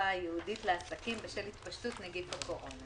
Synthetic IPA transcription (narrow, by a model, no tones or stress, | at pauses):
ajeuditleasakimbeʃelhit̪paʃtutneɡidbekoʔon